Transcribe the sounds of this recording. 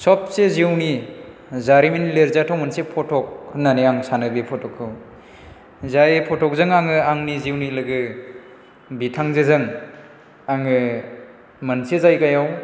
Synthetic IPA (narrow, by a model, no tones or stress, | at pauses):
sɔp̚seziwni | zaɾiminleɾzatʰawmɯnsepʰɔtʰɔk̚naneaŋsanɯbepʰɔtʰɔkʰːɯw | zajpʰɔtʰɔk̚zɯŋaŋɯaŋniziwnilɯɡɯ | bitʰaŋzezɯŋ | aŋɯ | mɐnsezajkajaw